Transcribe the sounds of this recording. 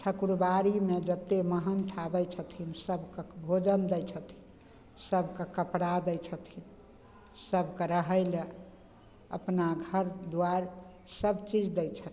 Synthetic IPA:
ʈʰəkɾubaɾimed͡ʒət̪ːeməɦənt̪ʰabəjt͡ʃʰət̪ʰinsəbʱkəbʱod͡ʒənd̪ɛjt͡ʃʰət̪ʰi | səbʱkekəpɽad̪ɛjt͡ʃʰət̪ʰin | səbkəɾəɦəɪle | əpnaɡʱəɾd̪uaɾ | səbt͡ʃid͡ʒd̪ɛt͡ʃʰət̪ʰ

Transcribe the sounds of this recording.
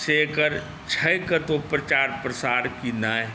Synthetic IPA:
seːkəɾ | t͡ʃʰɐjkət̪opɾət͡ʃaːɾpɾəsaːɾkinaːe

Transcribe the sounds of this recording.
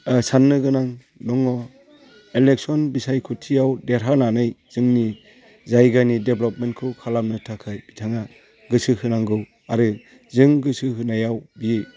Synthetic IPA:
sanːɯɡɯnaŋ | dɔŋɔ | elek̚sɔnbisajkʰutʰijawdeɾɦananɯjzɯŋni | zajɡanideblɔp̚men̚kʰɯkʰalamnɯtʰakʰɯjb̥itʰaŋa | ɡɯsɯhɯnaŋɡɯw | aɾɯ | zɯŋɡɯsɯhɯnajawbi

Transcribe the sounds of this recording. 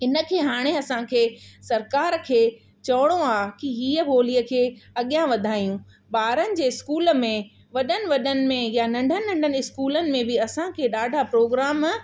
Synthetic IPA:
ɪnə̆kʰeːɦaːɽ̃eɐsãkʰeːsɐɾkaːɾkʰeː | t͡ɕɐʋəɽ̃õaːkiɦiːəbʱoːliəkʰeːɐɠijãʋɐd̪ʱaːijũ | ɓaːɾənɪ̆d͡ʑeːɪskuːlmẽ | ʋɐɗənɪ̆ʋɐɗənɪ̆mẽjanɐ̃ɳɖʱənɪ̆nɐ̃ɳɖʱənɪɪskuːlənɪ̆mẽbɪɐsãkʰeːɗaːɖʱapɾoːɡɾaːm

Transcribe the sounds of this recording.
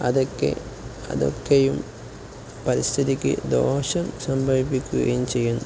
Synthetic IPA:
ɐðokːḛ | ɐ̰ðo̰kːejum | pɐɾist̪ʰiðikʲːɨ̰d̪o̞ːɕɐmsɐmbʱɐɭipikʲːuɣɐ̰jumt͡ɕe̞jːunːu

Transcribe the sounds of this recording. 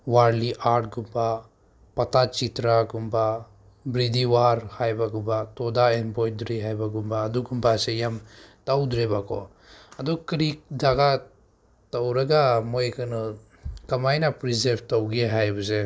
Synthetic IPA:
waɾliʔaʈ̚ɡumba | pɐt̪at͡ʃit̪ɾaɡumba | bɾid̪iwaɾhajbaɡumbat̪ɔd̪aenbɔjd̪uɾiɦajbaɡumbaːd̪uɡumbasejamt̪awd̪uɾebakɔ̰ | ɐd̪ukɾik̚d͡ʒaɡa | t̪ɐwɾɐɡamojkənɯ | kɐmajnapɾizeɾbt̪ɐwɡeɦajbəse

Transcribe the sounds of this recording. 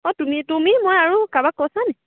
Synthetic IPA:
ɔtumĩtomĩmɔ̃aɾukabakɔsanɛ̃

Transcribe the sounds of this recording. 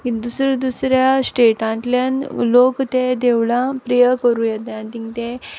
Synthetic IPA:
kid̪usɾid̪usɾjasʈeʈãnʈljanlokt̪ed̪eʋɭãpɾijəkəɾũjet̪jant̪iŋɡt̪ẽ

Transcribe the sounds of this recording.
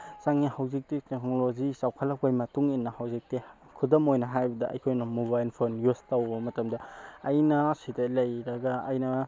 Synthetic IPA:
saŋihawzik̚titek̚nolozisawkʰɐlɐk̚ajmɐtuŋinːɐhawzik̚ti | kʰudomojnɐɦajbɐdɐʔɐ̰jkʰojnɐmubajlpʰonjustɐwbɐmɐtɐmdɐɐjnɐsidɐlɐjɾɐɡɐːjnɐ

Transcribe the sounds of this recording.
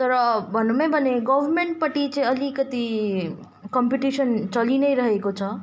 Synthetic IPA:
t̪ʌɾʌbʱʌnumʌ̃bʱʌneɡʌbʱʌrmeɳʈ̚pʌʈit͡saĩʌlikʌt̪i | kʌmpiʈisʌnt͡sʌlinʌjɾʌɦekot͡sʰʌ

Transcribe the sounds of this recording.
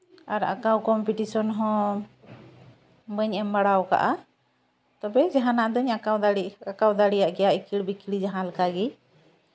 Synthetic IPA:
aɾa̰kawkɔmpiʈisɔnɦɔ̃ | bəɲɛmbaɽawka̰ʔa | t̪ɔbɛd͡ʒaɦãnaʔd̪ɔɲakawd̪aɽiakawd̪aɽijaʔɡɛjaʔikiɽbikiɽid͡ʒaɦãlkaɡi

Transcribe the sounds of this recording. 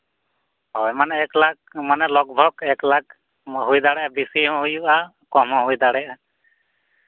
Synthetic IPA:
ɦɔjmanɛːklak̚manɛlɔk̚bʱɔkɛklak | ɦujd̪aɽɛʔabisiɔ̃ɦujuʔa | kɔmɔ̃ɦujd̪aɽɛʔa

